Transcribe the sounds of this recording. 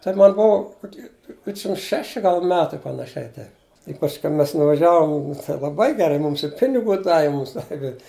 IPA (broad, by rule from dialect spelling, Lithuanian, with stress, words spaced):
tɐɪ ˈmɐn ˈbʊʊ koːˈkʲiː ˈdʲʋʲɪtʲʃʲɪm ˈʃʲæːʃʲɪ ˈɡɐlˠ ˈmʲæːtɐɪ pɐnɐˈʃʲɛɪ ˈtɐɪp ɪ pɐsʲˈkʲɛʊ ˈmʲɛs nʊʋɐˈʒʲæːʋoːm lˠɐˈbɐɪ ɡʲɛˈrɐɪ ˈmuːms ɪ ˈpʲɪnʲɪɡʊ ˈdɑːʋʲɪ ˈmuːms ˈdɑːʋʲɪ